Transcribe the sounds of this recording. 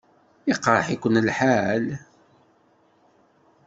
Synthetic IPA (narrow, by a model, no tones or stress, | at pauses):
iqɾˤə̰ħikʷənlħal